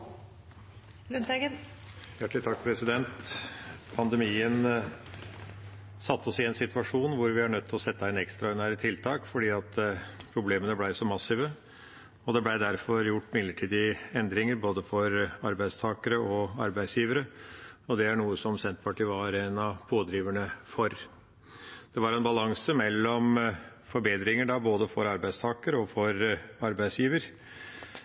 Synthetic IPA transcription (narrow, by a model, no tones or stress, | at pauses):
ə | jæʈlɪt̪ʰɑkːpʰɾɛsɪd̪ɛnt̪ | pʰɑnd̪ɛmiːən | sɑt̪ːɔsɪɛnsɪt̪ʋɑʂuːnʋʊɾʋɪhɑɳœt̪ʰːɪlɔsɛt̪ːɑɪnɛkst̪ɾɑɔɾənæːɾət̪ʰɪlt̪ʰɑːkfɔɖiːɑt̪pʰɾʊbleːmənəblæɪsɔmɑsiʋə | ɔd̪ɛblæɪd̪æɾfɔɾjʊʈːmɪd̪ləʈʰiːd̪ɪɛnd̪ɾɪŋəɾboːd̪əfɔɾɑ̰ɾbæɪst̪ʰɑːkəɾəɔɑ̰ɾbæɪsjiːʋəɾəɔd̪ɛæɳuːəsɔmsɛnt̪pʰɑʈʰiːʋɑɾɛnɑpʰoːd̪ɾiːʋəɳəfɔɾ | d̪̥ɛʋɑɾɛnbɑlɑŋsəmɛlːɔm | fɔɾbeːd̪ɾɪŋəɖɑboːd̪əfɔɾɑɾbæɪst̪ʰɑːkəɾəɔfɔɾɑɾbæɪsjiːʋəɾ